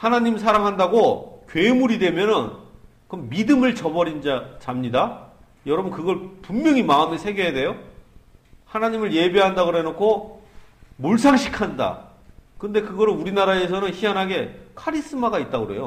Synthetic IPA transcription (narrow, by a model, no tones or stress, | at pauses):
hanaɲims̬ʰaɾaŋɦandaɡokɥe̞muɾidwe̞mjʌnɯn | kɯmmidɯmɯɭt͡ɕʌbʌɾind͡ʑat͡ɕamɲida | jʌɾʌbnkɯɡʌɭpummjʌŋimaɯmesʰe̞ɡejade̞jo | hanaɲimɯɭje̞beɦandaɡɾoɦenokʰo | moɭsʰaŋɕʰikʰanda̰ | kɯnde̞kɯɡʌɾɯnuɾinaɾaes̬ʰʌnɯnçianɦaɡe̞kʰaɾis͈ɯmaɡait̚t͈aɡɯɾḛjo